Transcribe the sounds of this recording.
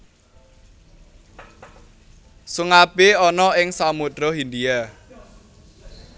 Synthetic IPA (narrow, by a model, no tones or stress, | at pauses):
suŋapeɔnɔɪŋsamutɾɔɦind̪ia